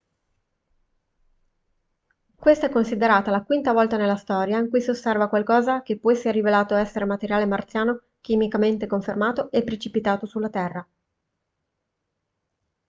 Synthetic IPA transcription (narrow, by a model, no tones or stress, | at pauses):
kwest̪aɛkːonsid̪eɾaːt̪alakwint̪avɔlt̪anelːast̪ɔːɾjaiŋkujsiosːɛrvakwalkɔːzak̟epːɔɛsːeɾrːivelaːt̪oɛsːeɾemat̪eɾjaːlemart̪sjaːno | k̟imikament̪ekoɱfermaːt̪oepːɾet͡ʃipit̪aːt̪osulːat̪ɛrːa